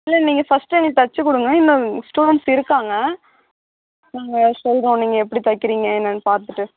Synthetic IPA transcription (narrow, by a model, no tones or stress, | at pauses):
ɪlːɐniːŋɡɐfɐsʈːɯɛŋɡɐɭ̚t̪ɐt͡ʃːɯkʊɽɯŋɡɐɪnːɐ̃sʈuːɽɐɳʈsɪɾɯkːaːŋɡɐ | naːŋɡɐsɔlɾõːniːŋɡɐɛpːɐɽit̪ɐkːɪɾiːŋɡɐɛnːɐnːpaːɾt̪ɯʈːɯ